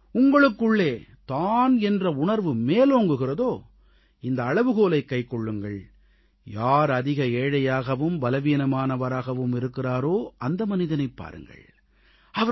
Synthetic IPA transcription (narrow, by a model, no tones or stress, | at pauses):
ʊŋɡɐɭɯkːɯɭːeːt̪aːnɛndrɐʊɳɐɾʋɯmeːloːŋɡɯɣɪrɐðoː | ɪnd̪ɐːɻɐʋɯɣoːlɐɪkːɐɪkːɔɭːɯŋɡɐɭ | jaːɾɐðɪɣɐeːɻɐjaːɣɐʋɯmbɐlɐʋiːnɐmaːnɐʋɐɾaːɣɐʋɯmɪɾɯkːɪraːɾoːʔɐnd̪ɐmɐnɪðɐnɐɪpːa̰ːɾɯ̰ŋɡɐ̰ɭ | ɐʋɐ